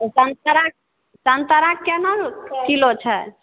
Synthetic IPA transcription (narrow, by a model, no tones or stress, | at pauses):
sənt̪əɾak̚ | sənt̪əɾakːɛnəɾkilot͡ʃʰɛ